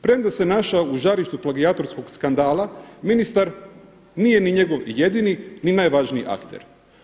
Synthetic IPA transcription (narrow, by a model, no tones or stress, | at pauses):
pɾe̞md̪ase̞naʃauʒaɾiʃt̪uplˠaɡiat̪o̞ɾsko̞ɡskand̪aːlˠaminist̪aɾ | nije̞niɲe̞ɡo̞ʋjed̪inininajʋaʒniḭʔa̰kt̪e̞̰ɾ